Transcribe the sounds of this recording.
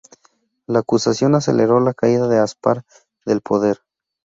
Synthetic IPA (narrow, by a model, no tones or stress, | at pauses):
laːkusasjo̞nase̞̰leɾo̞lakaiðaðe̞aspaɾ | ðe̞lpʰo̞ðe̞ɾ